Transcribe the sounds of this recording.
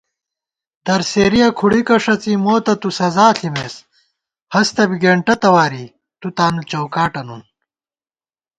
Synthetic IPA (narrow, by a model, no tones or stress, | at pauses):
d̪̥ɐɾseːɾijɐkʰuɽikɐʂɐt͡simoːt̪ɐt̪usɐzaːɬʰimeːs | hɐst̪ɐbiɡeːɳʈɐt̪ɐwaːɾi | t̪ut̪aːnut͡ɕɐwkaːʈɐnun